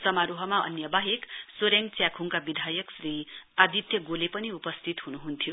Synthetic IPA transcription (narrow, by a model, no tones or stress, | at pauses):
sʌmaɾuɦʌmaʌ̰njʌbaɦeksoɾeŋt͡sjakʰuŋkabid̪ʱajʌksriad̪it̪jʌɡolepʌniupʌst̪ʰit̪ɦunuɦunt̪ʰijo